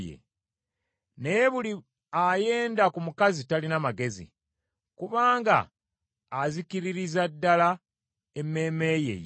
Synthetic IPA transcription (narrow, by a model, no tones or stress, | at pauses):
jḛ | nejeβuli | aje̞ːndakumukazitalinamaɡe̞zḭ | kuβaːŋɡa̰ː | ziciɾiɾizadːala | emːe̞ːme̞jḛj